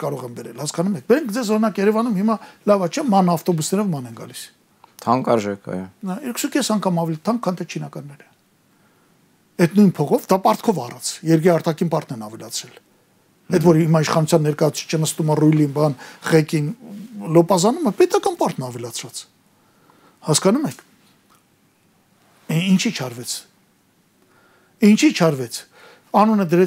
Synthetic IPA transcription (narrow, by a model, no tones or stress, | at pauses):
kɑɾɔʁɛmbɛɾɛlhɑskɑnumɛk̚ʰbɛɾɛŋkʰd͡zɛzɔɾinɑkjɛɾɛvɑnumhimɑlɑvɑt͡ʃʰɛmɑnɑft̪ɔbusnɛɾɔvmɑnɛnɡɑ̰lis | t̪ʰɑŋkɑɾʒɛkʰɑ̰jɔnɑiɾkʰsukɛsɑŋkʰɑmɑvɛlit̪ʰɑŋkʰːɑnt̪ʰɛt͡ʃʰinɑkɑnːɛɾə | ɛt̪ʰnujnpʰɔʁɔvd̪ɑpɑɾt̪ʰkʰɔvɑrɑt͡sʰjɛɾkɾiɑɾt̪ɑkʰinpɑɾt̪nɛnɑvɛlɑt͡sʰɾɛl | ɛd̪vɔɾhimɑiʃχɑnut͡sʰjɑnːɛɾkɑjɑt͡sʰt͡sʰi̥t͡ʃʰənəst̪umərujlinbɑnχɛkinlɔpɑzɑnuməpɛt̪ɑkɑnpɑɾt̪ʰnɑvɛlɑt͡sʰɾɑt͡s | hɑskɑnumɛkʰ | int͡ʃʰit͡ʃʰɑɾvɛt͡sʰ | int͡ʃʰit͡ʃʰɑɾvɛt͡sʰ | ɑnunəd̪əɾɛ